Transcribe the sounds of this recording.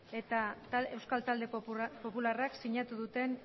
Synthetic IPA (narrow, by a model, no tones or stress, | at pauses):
e̞t̪ae̞wskalt̪ald̪e̞po̞pularaksiɲat̪uðut̪e̞n